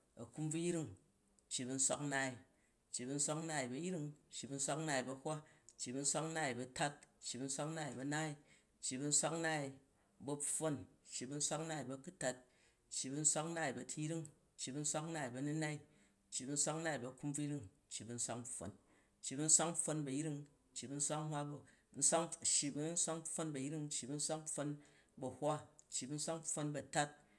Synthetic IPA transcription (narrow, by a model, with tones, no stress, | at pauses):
ɐ˨ku˧˦mb͡vu˦jɾi˦ŋ | t͡ʃːi˨bu˧n̩˦sʷa̰˦knaː˧i˨ | t͡ʃːi˨bu˧n̩˦sʷa˧˦knaː˦˨i˨bɐ˨˧jɾi˦ŋt͡ʃːi˨bu˧n̩˦sʷa˦knaː˧˨i˨bɐ˧hʷa˦t͡ʃːi˨bu˧n̩˦sʷa˦knaː˦˨i˨bɐ˨˧ta˦t̚t͡ʃːi˨bu˧n̩˦sʷa˦knaː˦˨i˨bɐ˧naː˦i˨˦ | t͡ʃːi˨bu˧n̩˦sʷa˦knaː˦i˨ | bɐ˧ɸo˦nt͡ʃːi˨bu˧n̩˦sʷa˦knaː˦˨i˨bɐ˧ku˦ta˧t̚ | t͡ʃːi˨˧bu˧n̩˦sʷa˦knaː˦˨i˨bɐ˨˧tʰi˦ɾi˦ŋ | t͡ʃːi˨bu˧n̩˦sʷa˦knaː˦˨i˨bɐ˧nu˦na˦i˦ | t͡ʃːi˨bu˧n̩˦sʷa˦knaː˦˨i˨bɐ˨ku˦mb͡vu˦ɾi˦ŋ | t͡ʃːi˨bu˧n̩˦sʷa˦ŋpfo̰˨n | t͡ʃːi˨bu˧n̩˦sʷa˦ŋ˦fo˧nbɐ˨ji˦ɾi˦ŋ | t͡ʃːi˨bu˧n̩˦sʷa˦khwa˦bn̩˦sʷa˦ŋʃi˨bu˧˦n̩˦sʷa˦ŋpfo˦nbɐ˨ji˦ɾi˦ŋt͡ʃːi˨bu˧n̩˦sʷa˦ŋpɸo˧nbɐ˨hʷa˦t͡ʃːi˨bu˧n̩˦sʷa˦ŋpfo˧nbɐ˨ta˦t̚